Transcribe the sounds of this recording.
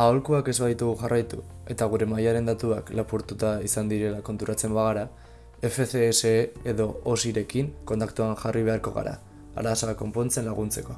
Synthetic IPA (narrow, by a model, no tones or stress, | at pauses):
aolkuake̞zβaðit̪uɣ̞uʝarʔajt̪ue̞t̪aɣ̞uɾe̞majaɾe̞nd̪at̪uaklapuɾt̪ut̪aisand̪iɾe̞lako̞nt̪uɾat͡se̞mbaɣ̞aɾa | efe̞θeːseeðo̞osiɾe̞kiŋko̞nt̪ak̚t̪uanʝariβ̞e̞aɾko̞̰ɣa̰ɾa̰ | a̰ɾasako̞mpo̞nt͡se̞nlaɣ̞unt͡se̞ko̞